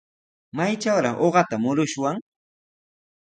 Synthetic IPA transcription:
majt͡ʃawɾɑχʔoɢɑt̪amʊɾʊʃwaŋ

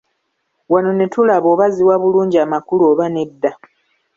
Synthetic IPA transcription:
wano̞ne̞tulaβo̞ːβaziwaβuluːɲɟiaːmakuloːβane̞dːa

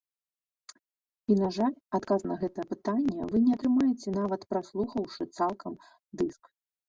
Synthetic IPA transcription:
inaʐalʲat̪kaznɐɣɛt̪ɐjɛpɨt̪anʲːɛ̰vɨnʲɛat̪ɾɨmajɛt͡sʲɛn̪avɐt̪pɾaslˠuxɐwʂɨt̪salˠkʰɐm | d̪ɨsk

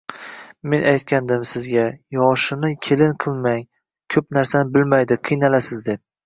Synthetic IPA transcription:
me̞nʔajt̪kʲʰand̪ɪmsɪzɡʲajɒʃɪnɪkʲʰelɪnqʰɨlˠmaŋ | kʲʰɵpnaɾsanɪbɪlmajd̪ɪqʰɨjnalasɪzd̪e̞p̚

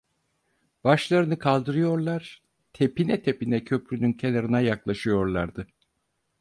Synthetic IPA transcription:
b̥aʃlˠaɾɯnɯkʰalˠd̪ɯɾɯjo̞ɾlˠaɾ̥ | t̪ʰepinɛt̪ʰe̞pinɛcʰø̞pɾynyncʰelʲˠaɾɯnajaklˠaʃɯjo̞ɾlˠaɾd̪ɯ

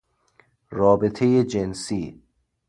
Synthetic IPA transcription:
ɾɒːbet̪ʰejed͡ʒensiː

